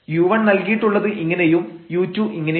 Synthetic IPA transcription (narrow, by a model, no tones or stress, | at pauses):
juːʋɐɳnɐlkijiʈːuɭːɐðɨʔiŋːɐne̞jumjuːtːjuʔiŋːɐne